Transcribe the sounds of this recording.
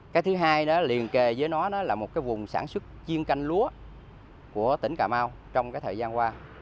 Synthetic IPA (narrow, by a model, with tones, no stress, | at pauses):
kaː˨˦jt̪ʰɨ˨˦ɦaː˧jnɔ˨˦li˨˩ənke˨˩zəː˨˦jnɔ˨˦nɔ˨˦laː˨˩mo˨˩t̚kaː˨˦jvʊ˨˩ŋ͡msaː˧˩nswə˦˥t̚t͡ɕi˧ənka˧jŋ̟lu˨˦ə | ku˧˩ət̪ï˧˩ŋ̟kaː˧˩maː˧w | t͡ɕɔ˧wŋ͡mkaː˨˦jt̪ʰəː˨˩zaː˧nkwaː˧